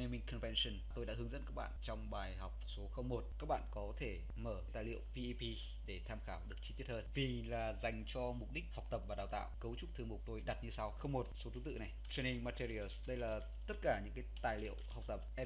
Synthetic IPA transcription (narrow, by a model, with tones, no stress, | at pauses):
ni˧mï˧˩ŋkʰɔ˨nvɛ˧nsə˧˩nt̪o˧jɗa̰˧˥ɦɨ˨˦əŋzə̰˧˥nkaː˦˥k̚ɓa̰ː˧˨nt͡ɕɔ˧wŋ͡mɓaː˨˩jɦa˨˩wk͡p̚so˨˦xə˧wŋ͡mmo˨˩t̚kaː˦˥k̚ɓa̰ː˧˨nkɔ˨˦t̪ʰe˧˩ | məː˧˩t̪aː˨˩jlḭ˧˨əwvi˧ʔi˧pi˧ | ɗe˧˩t̪ʰaː˧mxaː˧˩wɗɨ˨˩ək̚t͡ɕi˧t̪i˦˥ət̚həː˧˩nvi˨˩laː˨˩za˨˩jŋ̟t͡ɕɔ˧mʊ˨˩k͡p̚ɗï˦˥k̟̚ha˨˩wk͡pt̪ə˨˩p̚vaː˨˩ɗaː˨˩wt̪a̰ː˧˨wkə˨˦wt͡ɕʊ˦˥k͡p̚t̪ʰɨ˧əŋɓu˨˩k͡p̚t̪o˧jɗa˨˩t̚ɲɨ˧sa˧wxə˧wŋ͡mmo˨˩t̚so˨˦t̪ʰɨ˨˦t̪ɨ̰˧˨na˨˩jt̪ʰɹe˧ni˧ŋma˧t̪i˧ɾi˧ə˧lsɗə˧jlaː˨˩ | t̪ə˦˥t̚kaː˧˩ɲɨ̰˧˥ŋkaː˨˦t̪aː˨˩jlḭ˧˨əwha˨˩wk͡p̚t̪ə˨˩p̚ʔɛ˧